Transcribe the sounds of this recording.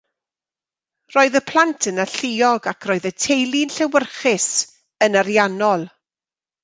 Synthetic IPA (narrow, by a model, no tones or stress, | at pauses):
roːɨðəpʰlˠantʰənaɬɪɔɡakʰrɔːɨðətʰejlˠɪnɬɛwərχɪs | ənaɾjanɔlˠ